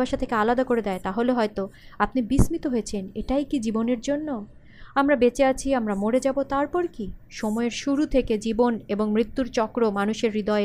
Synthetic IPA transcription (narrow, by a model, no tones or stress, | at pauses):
aʃat̪ʰekealad̪akoɾed̪ɛet̪aɦoleɦɔet̪oapnibismit̪oɦojet͡ɕʰeneʈajkid͡ʑiboneɾd͡ʑonːo | amɾabet͡ɕeat͡ɕʰiamɾamoɾed͡ʑabot̪aɾpɔɾkiʃɔmɔeɾʃuɾut̪ʰeked͡ʑiboneboŋmɾit̪ːuɾt͡ɕɔkɾomanuʃeɾːid̪ɔe